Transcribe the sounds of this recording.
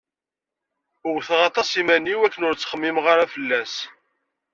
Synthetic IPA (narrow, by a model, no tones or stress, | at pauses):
ʊwθʁɑt̪ˤɑsimænːiwækːənʊɾt͡sːχəmːimʁaɾæfəlːæs